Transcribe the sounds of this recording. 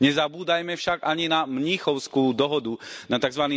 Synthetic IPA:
ɲɛzabuːd̪ajmɛfʃaɡaɲinamɲiːxɔʊskuːd̪ɔɦɔd̪unat̪aɡzʋaniː

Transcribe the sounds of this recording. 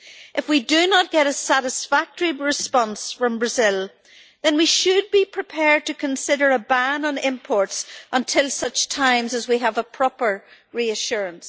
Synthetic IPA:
ʔɨfwidɨnət̚ɡ̥ɛɾəsæɾɨsfak̚təɹiɹɪspɑ̃nsfɹʌ̃mbɹɨzɪlˠ | ðɨ̃nwiʃɨd̚bipʰɹ̥ɪpʰɛɹd̚tʰɨkʰə̃nsɪɾə˞əbãnə̃nɪ̃mpʰɔɹtsʔə̃ntʰɪlˠsʌt͡ʃtʰãɪ̃mzəzwiəvəpʰɹ̥ɑpə˞ɹiɨʃʊɹə̃ns

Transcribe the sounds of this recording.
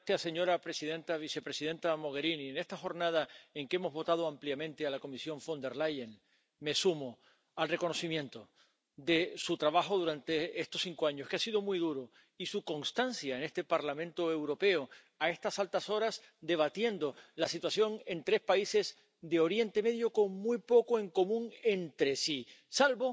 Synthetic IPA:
t̪jase̞ɲo̞ɾapɾe̞siðẽ̞nt̪aβ̞ise̞pɾe̞siðe̞nt̪amo̞ɣ̞e̞ɾiniene̞st̪axo̞ɾnað̞ae̞ŋkeemo̞zβo̞t̪að̞oampljamẽ̞nt̪ealako̞misjo̞ɱfo̞nd̪e̞ɾlajen | me̞sumo | alre̞ko̞no̞simjẽ̞nt̪o̞ | d̪e̞sut̪ɾaβaxo̞ðuɾant̪e̞est̪o̞ssiŋkoaɲo̞skeasið̞o̞mujðuɾo | isuko̞nst̪ansjaenest̪e̞paɾlamẽ̞nt̪o̞e̞wɾo̞pe̞o | ae̞st̪asalt̪aso̞ɾas | d̪e̞β̞at̪je̞nd̪o̞lasit̪wasjo̞ŋe̞nt̪ɾe̞spaise̞z | d̪eo̞ɾje̞nt̪e̞me̞ðjo̞ko̞ŋmujpo̞koe̞ŋko̞mũŋe̞nt̪ɾe̞si | salβo̞

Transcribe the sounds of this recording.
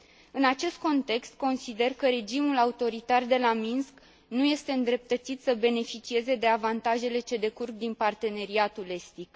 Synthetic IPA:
ɨnat͡ʃe̞st̪̚ko̞nt̪e̞kst̪̚ko̞nsid̪e̞rkəɾe̞d͡ʒimulaut̪o̞ɾit̪ard̪e̞laminsk | nuje̞st̪e̞ɨnd̪ɾe̞p̚t̪ət̪sit̪səbe̞ne̞fit͡ʃie̞ze̞d̪e̞avant̪aʒe̞le̞t͡ʃe̞d̪e̞kurɡd̪inpart̪e̞ne̞ɾiat̪ule̞st̪ik

